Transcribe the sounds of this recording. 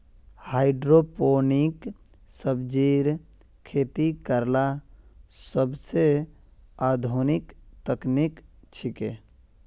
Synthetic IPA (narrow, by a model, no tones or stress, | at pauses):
haɪɖɾoponik | səbd͡ʒiɾ | kʰːet̪ikəɾla | səbse | ad̪ʱonikt̪əknikt͡ʃʰike